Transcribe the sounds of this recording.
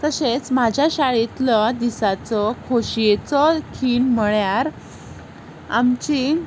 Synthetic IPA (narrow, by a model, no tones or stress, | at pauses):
t̪əset͡smad͡ʑʱjaɕaɭit̪lɔd̪isat͡sɔkʰoɕiet͡sɔkʰiːnm̤əɭjaɾ | a̰mt͡ɕi